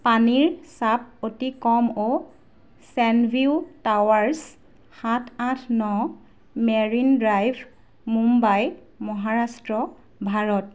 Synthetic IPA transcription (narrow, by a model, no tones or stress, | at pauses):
paniɹsap̚otikɔmo | sɛnbʱiutawaɹs | xatʰãtʰnɔ | meɹindɹajbʱ | mumbaj | mɔɦaɹastɹɔ | bʱaɹɔt̚